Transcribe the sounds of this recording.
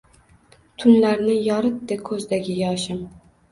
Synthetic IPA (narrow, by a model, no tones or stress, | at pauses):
t̪ʰʊnlaɾnɪjɒɾɨt̪̚d̪ekʰɵzd̪aɡʲɪɡʲaːʃɪm